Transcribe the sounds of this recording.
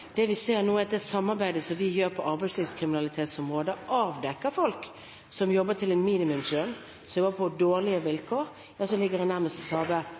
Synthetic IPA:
d̪̥ɛʋɪseːɾnuːɛɑt̪d̪ɛsɑmːɑɾbæɪd̪əsɔmʋɪjøːɾpʰɔʔɑɾbæɪslɪːʋskʰɾɪmɪnɑlɪt̪ʰeːt̪sɔmʁoːd̪əʔɑːʋd̪ɛkːəfɔlk | sɔmjɔbːət̪ʰɪlɛnmiːnɪmʉmd͡ʒøn | sɔmjɔbːəpʰɔd̪oːʁlɪəʋɪlkʰoːɾ | jɑːsɔlɪɡːəɾɛnæɾməst̪ɔsɑːʋə

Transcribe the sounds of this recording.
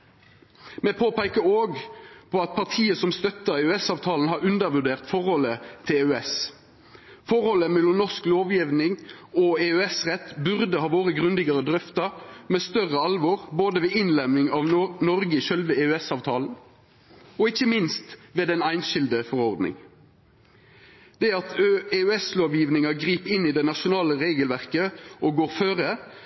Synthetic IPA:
meːpʰoːpæɪkəɾoːɡpʰɔɑt̪̚pʰɑʁt̪ʰiːəsɔmst̪œt̪ːəɾɛʉɛsɑːʋt̪ʰɑːln̩hɑɾʉnd̪əɾʋʉʁɖ̪eːʁt̪fɔʁhɔlət̪ʰɪlɛʉɛs | fɔɾhɔlːəmɛlːɔmnɔskloːʋjɪʋnɪŋɔɛøɛsʁɛt̪bʉʁd̪əhɑːʋoːʁəɡʁʉnd̪ɪɡɑʁəd̪ʁœft̪ɑmeːst̪œʁəɑlʋoːʁboːd̪əʋɛːɪnlɛmnɪŋɑʋnɔɾɡəɪʃœlʋəeʉɛsɑːʋt̪ʰɑːln̩ | ɔɪçːəmɪnst̪ʋeːd̪ɛnæɪnʃɪld̪əfɔɾɔʁd̪nɪ̰ŋ | d̪̥ɛɑt̪ʰeʉɛsloːʋjiːʋnɪŋɑɡʁiːpɪnɪd̪ɛnɑʃʊnɑːləʁeːɡəlʋæʁkəɔɡoːɾfœɾə

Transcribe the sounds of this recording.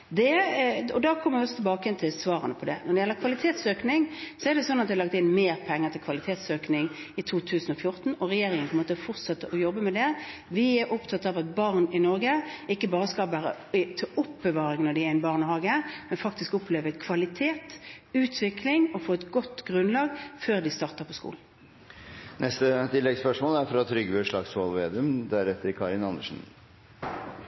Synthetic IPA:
d̪ɛɔd̪ɑkʰɔmːəɾʋɪɔsːɔt̪ʰɛlbɑːkəɛnt̪ʰɪlsʋɑːɾənəpʰɔd̪ɛ̰nɔʁɖ̪ɛɪjɛlːəkʰʋɑlɪt̪ʰeːt̪søːknɪŋsɔɛɾd̪ɛsɔnːɑt̪d̪ɛɑlɑk̚t̪ɪnmeːɾpʰɛŋːəɾt̪ɪlkʰʋɑlɪt̪ʰeːt̪søːknɪŋɪt̪ʰuːt̪ʰʉːsən̩ɔfjʊʁt̪n̩ɔʁɛjeːɾɪŋənpʰɔɛmoːt̪əfɔʁt̪sɑt̪ːəʔɔjɔbːəmɛd̪ɛʋɪæɾʔʊpt̪ʰɑt̪ɑʋɛt̪̚bɑʁnɪnɔɾɡəɪkːəbɑːɾəskɑʋæːɾə̰ | t̪ʰʔʊpbəʋɑːʁɪŋnɔɖ̪ɪæɪnbɑʁnəhɑːɡəmɛnfɑkt̪ɪskɔpʰleːʋəkʰʋɑlɪt̪ʰeːt̪ʉːt̪ʰʋɪklɪŋɔfoːɛt̪ɡɔt̪ːɡʁʉnlɑːɡføːʁd̪ɪst̪ɑːʁt̪əʁpʰɔskṵːln̩ | nɛst̪ət̪ʰɪlːɛɡspœʂmoːlæɾfɾɑt̪ʰɾʏɡbøːʂɭɑɡsɑlʋeːd̪ɪʉmd̪æɾɛt̪ːəɾkʰɑɾɪnɑnːəʂn̩

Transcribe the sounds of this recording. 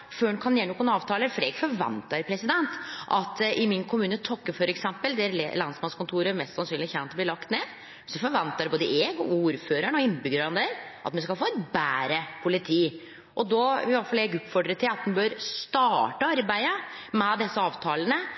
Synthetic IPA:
føːnkʰɑnjeːɳʊkːʊnɑːʋt̪ʰɑːləɾfɔɾɛɡfɔɾʋɛ̰nt̪əɾpʰɾɛsɪd̪ɛnt̪ʔɑt̪ʔɪmɪnkʰʊmʉːnət̪ʰɔkːəfɔɾɛksɛmpəld̪ɛæɾlɑnsmɑnskʊnt̪ʰuːɾəmɛst̪sɑnsyːnlɪçɛnt̪ɔbliːlɑkt̪neː | sɔfɔɾʋɛnt̪əɾɛboːd̪əʔɛːɡɔuːɾføːɾəɳəɔɪnːbʏɡəɾɑnd̪ɛɾʔɑ̰t̪mɛnskɑlfoːɛt̪bæːɾəpʰʊlɪt̪ʰiː | ʔɔd̪ɔɪʋɑʈfɑlɛɡʉːt̪fɔɖɾət̪ʰːɪlɑt̪̚ɛnbøɾst̪ɑːʈəɑɾbæɪə | mɛd̪ɛsːəɑːʋt̪ʰɑːlənə

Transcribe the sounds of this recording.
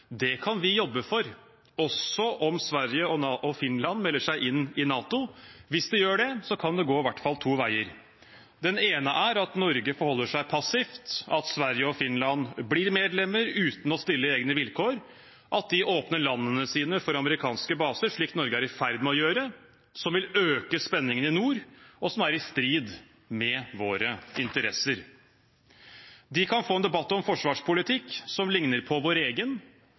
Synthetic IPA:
d̪ɛkʰɑnʋɪjɔbːəfɔɾ | ɔsɔʔɔmsʋæɾjəɔʔɔfɪnlɑnmɛlːəʂæɪʔɪnːɪnɑːt̪ʊʋɪsd̪ɛjøːɖɛsɔkʰɑnd̪ɛɡoːɪʋæʈːfɑlt̪ʰuːʋæɪəɾ | d̪ɛneːnəʔæɾɑt̪nɔɾɡəfɔɾhɔlːəʂæɪpʰɑsɪft̪ɑt̪sʋæɾjəɔfɪnlɑnblɪɾmeːd̪lɛmːəɾʉːt̪n̩ɔst̪ɪlːəeːɡnəʋɪlkʰoːɾ | ʔɑt̪̚d̪ɪʔoːpnəɭɑnːənəsiːnəfɔɾɑməɾɪkʰɑːnskəbɑːsəɾʂɭiːkt̪nɔɾɡəæɾɪfæɾd̪mɛɔjøːɾə | sɔmʋɪløːkəspɛnːɪŋənɪnuːɾɔsɔmæɾɪst̪ɾiːd̪ | mɛʋoːɾəɪnt̪əɾɛsəɾ | d̪ɪkʰɑnfoːɛnd̪ɛbɑt̪ːɔmfɔʂʋɑːʂpʰʊlɪt̪ʰɪkːsɔmlɪŋnəɾpʰɔʋoːɾeːɡən

